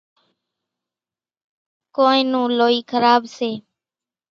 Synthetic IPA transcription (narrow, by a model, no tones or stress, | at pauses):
koːẽːnũːloːiːkʰəɾaːbseː